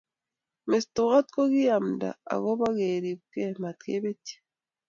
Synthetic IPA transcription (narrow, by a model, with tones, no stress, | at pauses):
me˨stu˨ɣa˦tko˦ɡi˦ja˨mda̰˨a̰˨ɣo˦βa˦ɣeɾi˨βke˦ma˨tkḛ˦βe˦ti̥